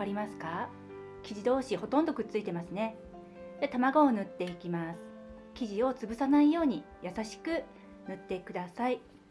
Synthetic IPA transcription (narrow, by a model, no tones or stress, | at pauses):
kaɾʲimasɨ̥ka | kʲiʑid̪o̞ːɕiho̞t̪õnd̪okɯ̟t͡sɨit̪e̞masɨne̞ | d̪̥e̞t̪amaɡoːnɯ̟t̪ːe̞ikʲimasɨ̥ | kʲiʑio̞t͡sɨbɯ̟sanaijo̞ːɲ̟i | jasaɕi̥kɯ̟ | nɯ̟t̪ːe̞kɯ̟d̪asai